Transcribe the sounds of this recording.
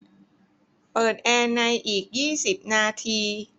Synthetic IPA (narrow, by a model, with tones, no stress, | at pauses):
pɤː˨˩t̪̚ʔɛː˧na˧jʔiː˨˩k̚jiː˥˩si˨˩p̚naː˧t̪ʰiː˧